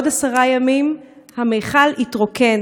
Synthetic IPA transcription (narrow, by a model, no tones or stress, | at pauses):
dasaʁajamim | hamejχalitʁoken